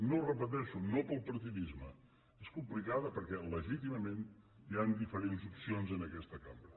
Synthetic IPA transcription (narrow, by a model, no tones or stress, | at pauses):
norəpət̪̬ɛʃunopəlˠpəɾt̪iðizmə | eskumplikaðəpəɾkɛləʒit̪iməmen | iand̪ifəɾenzupsionzənəkɛst̪əkambɾə